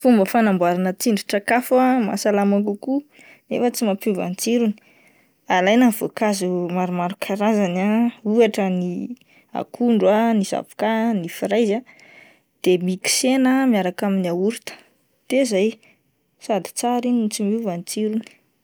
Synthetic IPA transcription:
fumbəfanambuaɾanət͡siɳɖ͡ʐiʈ͡ʂakafama̰salamakuku | nefət͡simapuva̰nit͡siɾuni̥ | alajnanv̥okazumaɾumaɾukʰaɾazanauaʈ͡ʂəni | a̰kʰuɳɖ͡ʐwaniza̰vi̥kanifiɾajza | d̪̥emiki̥senamiaɾakaminiauɾit̪ə̥ | t̪ezaj | sad̪i̥t͡saɾint͡simiuvanit͡siɾuni̥

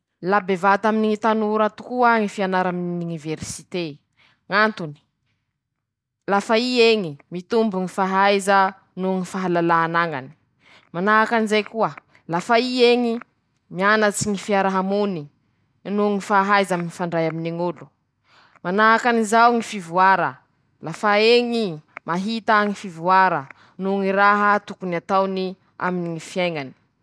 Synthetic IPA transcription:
labevat̪aminiŋit̪anuɾat̪u̥kuaŋifianaɾaminununiveɾsit̪e | ŋant̪uni̥ | lafaieŋimit̪umbuŋifaɦajzə | nuŋifaɦalalaanaŋa̰ni̥ | manaakanizajkuə | lafaieŋi | mianət͡siŋifiaɾaɦamuni | nuŋifaɦajzaminifaɳɖ͡ʐajaminiŋulu̥ | manaakanizawŋifivuaɾə̰ | lafaeŋimaɦit̪aŋifivuaɾə | nuŋiɾaɦət̪ukuniat̪awni | a̰miniŋifiajŋani̥

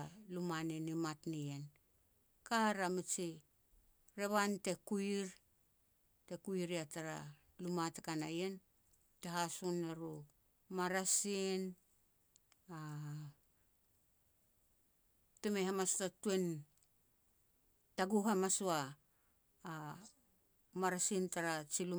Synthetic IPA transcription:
lumanenimatnijen | kaɾamit͡ʃi | ɾe̞βante̞kuiɾ | te̞kuiɾiataɾa | lumatakanajen | te̞ɦasunːeɾu | maɾasin | a | tumehamastatuen | taɡuɦamasuaː | maɾasintaɾat͡ʃilu

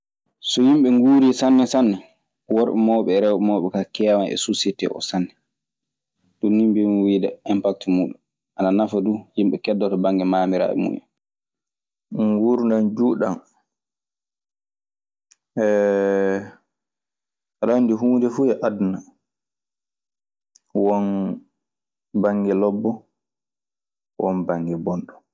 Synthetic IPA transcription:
sɔjimɓɛŋɡuːɾisanːɛsanːɛ | wɔɾʔɛmɔːɓɛɾɛwɛmɔɓɛkakɛːwanʔɛ̰susitɛ̰ʔɔ̰sanːɛ | dunːimbimwiːdɛɛmpak̚tmuːɗum | ʔananafadujimɓɛkɛdːɔtɔbaŋɡɛmaːmiɾa̰ːʔɛ̰mṵːʔɛ̰n | ŋɡuɾundand͡ʒuːɗan | ʔɛ | ɾandiɦuːndɛfuːɛʔadna | wɔn | baŋɡɛlɔbːɔ | wɔnbaŋɡɛbɔnɗɔ

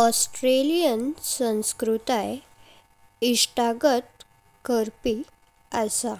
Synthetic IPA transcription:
ɔsʈɾelijənsə̃w̃skɾut̪aj | iʂʈaɡət̪̚ | kəɾpi | əsa

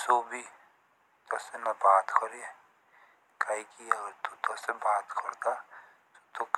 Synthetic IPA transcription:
soːbʱi | t̪ɐsenɐbaːt̪kʰɔɾie | kaikiɐɡəɾt̪ut̪osebaːt̪kʰɐɾt̪a | t̪o̥t̪ok

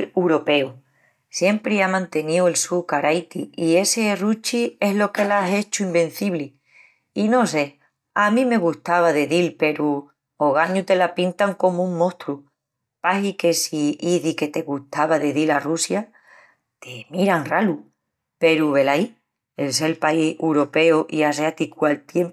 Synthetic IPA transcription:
wɾo̞pe̞u | sje̞mpɾeamãnt̪e̞niue̞lsukaɾajt̪iie̞se̞rut͡ʃie̞ɦlo̞ke̞lase̞t͡ʃuimbẽ̞n̟θiβli | ino̞s̬e̞ | amĩme̞ɣuht̪aβaðe̞ðilpe̞ɾu | oɣaɲut̪e̞lapint̪aŋko̞muŋmõ̞ht̪ɾu | pahike̞siiðike̞t̪e̞ɣuht̪aβaðe̞ðilarusja | t̪emiɾaŋralu | pe̞ɾuβe̞lai | elselpaisewɾo̞pe̞oʔiaseat̪ikwalt̪je̞mp

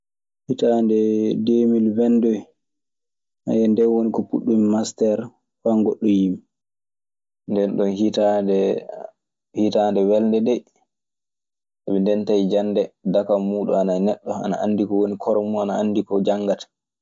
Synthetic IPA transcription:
hitandɛdemilvɛndɔ | ʔa̰jɛndɛnwonikɔpuɗːumimastɛɾ | faŋɡoɗːɔjim | ndɛnɗɔnhitadɛ | hitandɛwɛlndɛdɛ | ʔaɓɛndɛntaid͡ʒanːdɛdakamuːɗṵananɛɗːɔa̰naʔa̰nːdikɔwonikʰɔɾɔmuanaa̰nːdikɔd͡ʒaŋɡatḁ

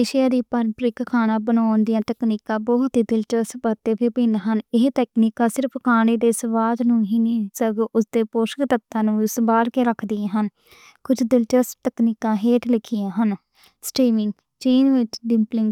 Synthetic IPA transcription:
eːʃɪjãːd̪iːpənpɾɪkkʰaːnãːbənaːnd̪ɪjãːt̪əkniːkãːbɔːt̪ɦiːd̪ɪlt͡ʃəsbət̪eːbɪbɪnɦənɪɦt̪ɛːkniːkãːsɪɾəpʰkʰaːneːd̪eːsəʋaːd̪nũːɦiːniːsəɡʔʊsd̪eːpoːʃəkd̪ət̪ːãːnũːʊsbaːɾkeːɾəkʰd̪ɪjãːɦən | kʊd͡ʒd̪ɪlt͡ʃəst̪əkniːkãːɦeːʈlɪkʰːɪjãːɦən | sʈiːmɪ̃ŋɡ | t͡ʃiːnʋɪt͡ʃɖɪmplɪŋɡ

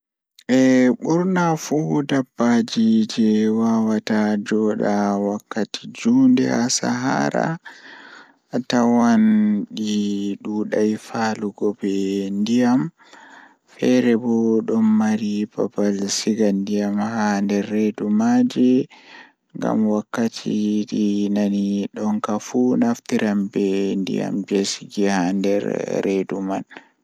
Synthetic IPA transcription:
ʔɛɓuɾnafudabːad͡ʒid͡ʒɛwawatad͡ʒɔːɗawakːatid͡ʒuːndɛasa̰ɦa̰ɾa̰ | tawanɗiɗuɗajfaːluɡɔbɛndijam | fɛɾɛbɔɗɔnːaɾipapalsiɡandijamhandɛɾːedumad͡ʒɛ | ŋɡa̰mwakːatʰiɗinaniɗɔŋkafunaftiɾambɛndḭja̰md͡ʒesiɡɛhandɛ̰ɾɾeduman

